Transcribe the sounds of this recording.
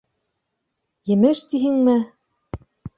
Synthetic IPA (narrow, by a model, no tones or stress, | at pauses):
jɘ̆mɘʃt̪iɦɘŋmɘ